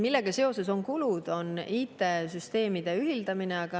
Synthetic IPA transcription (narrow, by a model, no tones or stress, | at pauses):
milːe̞ɡ̥ɑse̞o̞se̞so̞ŋkulud̪̥o̞niːt̪ːˑe̞syst̪e̞ːmid̪̥e̞yɦild̪̥ɑmineɑɡ̥ɑ